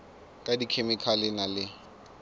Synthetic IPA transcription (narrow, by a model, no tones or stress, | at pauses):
kʼadikʰemɪkʰalɪnalɪ